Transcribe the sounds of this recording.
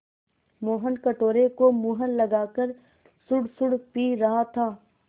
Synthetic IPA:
moːɦənkɐʈoːɾekomuːɦənlɐɡaːkəɾ | sʊɽsʊɽpiːɾɐɦat̪ʰaː

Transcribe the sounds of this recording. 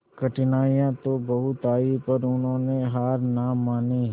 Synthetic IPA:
kəʈɪnaːijãt̪obɐɦʊt̪aːipɐɾʊnɦõːneɦaːɾnaːmːaːni

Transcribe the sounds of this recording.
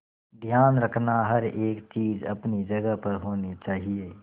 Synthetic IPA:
d̪ʱjaːnɾɐkʰnaɦɐɾeːkt͡ʃiːzɐ̰pnid͡ʒɐɡəɦpɐɾɦoːnit͡ʃaːɦieː

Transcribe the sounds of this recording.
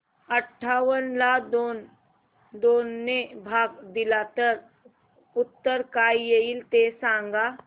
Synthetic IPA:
əʈʰːaːwənlaːd̪on | d̪oːnːebʱaːɡd̪ɪlaːt̪əɾ | ʊt̪ːəɾkaːijeilt̪eːsãːŋɡaː

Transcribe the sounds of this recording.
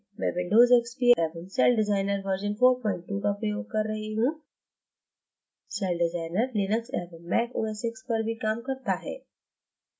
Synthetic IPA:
mɛ̰̃ːbɪ̃ɳɖoːzɪkspieːʋənsɛːlɖɪd͡ʒaːɪnəɾʋəɾd͡ʒənfoːɾpɔ̃ːɪ̃ɳʈ̚ʈːuːkapɾɐjoːɡ̚kɐɾːɐɦiɦũː | sɛːlɖɪzaːɪnəɾlɪnəkseːʋənmɛːko̰ːesɪkspɐɾbʱikaːmkɐɾt̪aɦɛ̰ː

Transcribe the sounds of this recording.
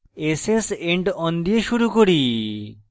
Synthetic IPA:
eseseɳʈɔnd̪ijeʃuɾukoɾi

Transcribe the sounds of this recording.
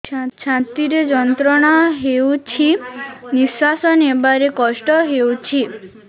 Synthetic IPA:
t͡ʃʰat̪iɾed͡ʒɔnt̪ɾɔɽ̃ɔɦewt͡ʃʰiniswasɔnebaɾekɔʃʈɔɦewt͡ʃʰi

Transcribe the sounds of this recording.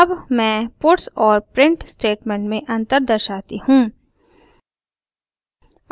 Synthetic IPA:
ɐbmɛ̃ːpʊʈsɔːɾpɾɪ̃ɳʈsʈeːʈmẽːɳʈmẽʔɐ̃nt̪əɾd̪əɾʃaːt̪ihũː

